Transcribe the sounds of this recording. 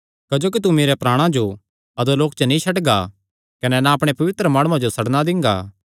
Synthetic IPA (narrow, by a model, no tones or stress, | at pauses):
kɐd͡ʒoːkit̪̬umeːɾɛpɾaːɽ̃ãd͡ʒo | ɐd̪oloːkt͡ʃənĩʃʰɐʈɡa̰ | kɐnɛnaɐpɽ̃epɐʋɪt̪ɾəmaːɽ̃uãd͡ʒosɐɽnad̪ɪ̃ŋ̆ɡa̰ː